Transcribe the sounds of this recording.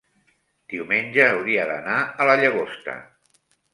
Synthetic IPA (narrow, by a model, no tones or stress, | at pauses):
d̪̥iwmenʲʒəːwɾiəðə̰naələʎəɣ̞ost̪ə̰